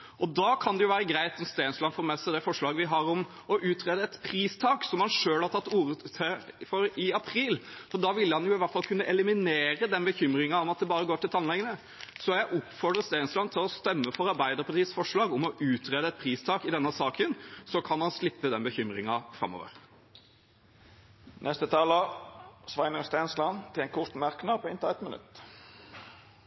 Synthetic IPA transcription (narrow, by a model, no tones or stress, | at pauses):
ʔɔd̪ɑːkʰɑnd̪ɛjʊʋæːɾəɡɾæɪt̪sɔmst̪eːnslɑnfɔɾmɛsəd̪ɛfɔʂɭɑːɡəʋɪɦɑɾɔm | ɔʔʉːt̪ɾeːd̪əɛt̪pʰɾiːst̪ʰɑːksɔmhɑnʂøːlhɑɾt̪ʰɑt̪ːuːɾət̪ʰəfɔɾɪɑpʰɾiːlfɔd̪ɑːʋɪlːəhɑnjʊɪʋæɾʈ̪fɑlkʰʉnːəʔɛlɪmɪneːɾəd̪ɛnbəçʏmɾɪŋɑɔmɑt̪̚d̪ɛbɑːɾəɡoːʈɪlt̪ɑnlɛɡənə | sɔjæɪʔɔpːfɔɾɖ̪ʁəst̪eːnslɑnt̪ʰɪlɔst̪œmːəfɔɾɑɾbæɪd̪əɾpʰɑʈ̪iːəsfɔʂɭɑːɡɔmɔʉːt̪ʁeːd̪əɛt̪̚pʰɾiːst̪ʰɑːkɪd̪ɛnːəsɑːkənsɔkʰɑnhɑnslɪpːəd̪ɛnbəçʏmɾɪ̰ŋɑfɾɑ̰mːɔ̰ːʋə̰ɾ | nʔɛst̪ət̪ʰɑːləsʋɑɪnəʁst̪eːnslɑnt̪ʰɪlɛnkʰʊʁt̪mæʁknɑpʰoːɪnt̪əɛt̪mənʉ̰t̪ː